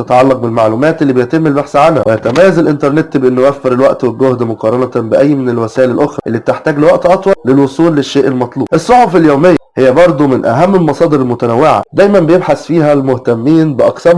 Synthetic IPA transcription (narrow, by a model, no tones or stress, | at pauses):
t̪æt̪ɑʕɑlːɑq̚belmaʕluːmæːt̪ʔelːibejet̪emːelbaħsʕanhæwejæt̪æmæjːæzelʔɪnt̪ɑɾˤnet̪beʔenːjwæfːeɾelwæʔt̪welɡohd̪moqɑːɾˤɑnɑbeʔæjːmenelwæsæːʔelælʔoxɾˤɑʔelːiːb̚e̥t̪eħt̪æːɡlewæʔt̪ʔɑt̪ˤwɑllelwosˤuːlːeʃːeːʔelmɑt̪ˤluːbʔesˤːoħofeljoːmejːæhejːæbɑɾˤd̪ˤumɪnʔæ̰ɦæmːelmɑsˤɑːd̪eɾelmʊt̪ænæwːeʕa̰d̪æːjmæmbejebħasfiːɦælmoht̪æmːiːnbeʔɑqsæm